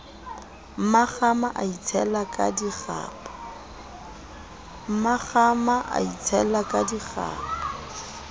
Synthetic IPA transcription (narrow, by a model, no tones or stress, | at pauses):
m̩maχamaʔait͡sʰɛlakʼa̰diχa̰ːpḁ | m̩maχamaʔa̰it͡sʰɛlakʼadiχa̰ːpa